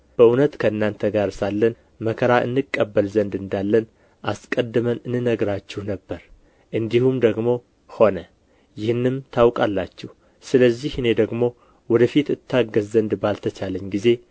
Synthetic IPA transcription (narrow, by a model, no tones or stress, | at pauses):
b̥əʔunət̪kʰəɨnːant̪ʰəɡaɾsalːən | məkʰəɾaʔɨ̰nːɨkʼːəbːəlzənd̪ɨnd̪alːən | ʔaskʼəd̪ːɨmənɨnɨnəɡɾat͡ʃːɛhnəbːəɾ | ʔɨnd̪ihumd̪əɡmo̞ | ho̞nə | jɪhɨnːɨmt̪ʰawkʼalːat͡ʃːɛh | sɨləzːihɨne̞d̪əɡmo̞ | wɔd̪əfit̪ɨt̪ʰːaɡːəzzənd̪balt̪ʰət͡ʃaləɲːɡize̞